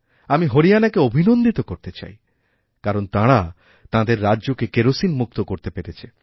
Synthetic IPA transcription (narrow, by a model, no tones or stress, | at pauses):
amiɦoɾijanakeobʱinond̪it̪okoɾt̪et͡ɕa̰j | kaɾont̪ãɽa | t̪ãd̪eɾːaːʑokekeɾosinmuk̚t̪okoɾt̪epeɾet͡ɕʰe̥